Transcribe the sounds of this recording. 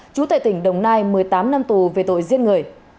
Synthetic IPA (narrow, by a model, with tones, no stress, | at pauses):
t͡ɕu˨˦t̪a̰ː˧˨jt̪ï˧˩ŋ̟ɗə˨˩wŋ͡mnaː˧jmɨ˨˩əjt̪aː˨˦mna˧mt̪u˨˩ve˨˩t̪o̰˧˨jzi˧ənŋɨ˨˩əj